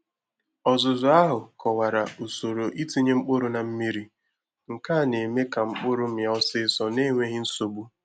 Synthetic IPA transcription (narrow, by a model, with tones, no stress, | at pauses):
ɔ˨zʊ˨zʊ˨˦a˦ɦʊ˨kɔ˨wa˨ɾa˨u˨so˨ɾo˨ʔi˦ti˦ɲe˦ŋ͡m̩˦k͡pʊ˦ɾʊ˦na˨m̩˦mi˦ɾi˨ | ŋ̩˨ka˦˨ne˨me˦ka˨ŋ͡m̩˦k͡pʊ˦ɾʊ˦m̩˦ja˨˦ɔ˦sɪ˦sɔ˨ne˦ŋʷe˦ɦɪ˦n̩˦so˨bu˦